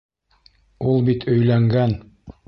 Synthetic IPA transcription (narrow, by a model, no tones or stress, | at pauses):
ulˠbit̪ʰɵ̆jlæŋɡæn